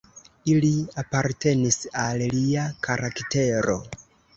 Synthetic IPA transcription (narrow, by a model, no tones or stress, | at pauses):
iliapaɾte̞nisalliakʰaɾʔakte̞ɾo̞̰